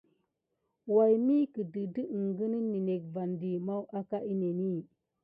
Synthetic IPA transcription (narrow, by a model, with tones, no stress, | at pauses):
wa˨jmi˦ki˨di˨di˦˨ŋɡə˦ni˦nːi˨ne˨k̚va˨ndi˨ma˦wʔa˦ka˦i˦ne˨ni˦